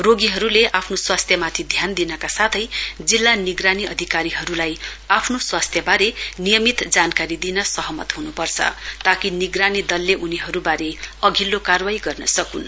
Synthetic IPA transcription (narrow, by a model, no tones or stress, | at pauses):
roɡiɦʌɾuleʔapʰnoswast̪ʰjʌmat̪ʰid̪ʱjand̪inʌkasat̪ʰʌjd͡zilːaniɡraniʌ̰d̪ʱikaɾiɦʌɾulajapʰnoswast̪ʰjʌbaɾenijʌmit̪d͡zankaɾid̪inʌsʌɦʌmʌ̰t̪ɦunupʌrt͡sʰʌ̰t̪akiniɡranid̪ʌlːeʔuniɦʌɾubaɾeʌɡʱilːokarwajɡʌrnʌsʌkun